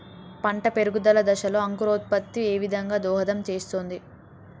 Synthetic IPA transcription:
pɐɳʈɐpe̞ɾuɡud̪ɐlɐd̪ɐʃɐloːɐŋkuɾoːt̪̚pɐt̪ːie̞ːʋid̪ʱɐŋɡaːd̪ɔːɦɐd̪ɐmt͡ʃe̞ːst̪oːnd̪i

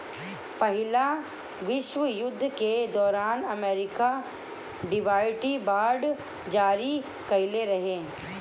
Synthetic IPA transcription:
pɐɦɪla | ʋɪʃʋəjʊd̪ʱːked̪ɔːɾaːnɐmeːɾɪka | ɖɪʋaːɪʈibaːɖ | d͡ʒaːɾi | kɐɪleɾɐɦẽː

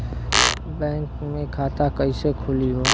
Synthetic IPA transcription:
bɛ̃ːŋkmẽkʰaːt̪akəisekʰʊliɦoː

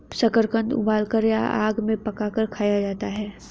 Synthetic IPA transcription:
sɐkəɾkə̃nd̪ʊ̰baːlkəɾja̰ʔa̰ːɡmẽpɐkakəɾkʰaːjad͡ʒaːt̪aɦɛː

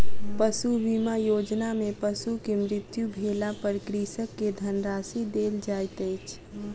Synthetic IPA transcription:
pəsuʋimajoːd͡ʒnamẽpəsukemɾɪt̪jubʱeːlapəɾkɾiːsəkːed̪ʱənɾaːsid̪eːld͡ʒaːjt̪əːt͡ʃʰ

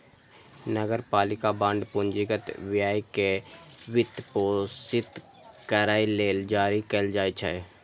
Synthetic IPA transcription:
nəɡəɾpaːlɪkabə̃ɳɖpʊ̃nd͡ʒɪɡət̪wɪjaːikeʋɪt̪poːsɪt̪ | kəɾaːileːld͡ʒaːɾikeld͡ʒaːit͡ʃʰɛ̰

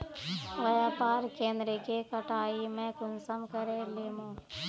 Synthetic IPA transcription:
ʋɐjaːpaːɾkeːnd̪ɾəkekɐʈaːimɛ̃ːkʊnsɐmkɐɾeleːmõː

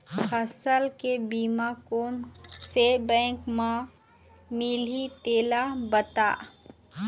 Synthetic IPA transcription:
kʰɐsəlkebiːmakoːnsebɛ̃ːkmã | mɪlit̪eːlabət̪a̰ː

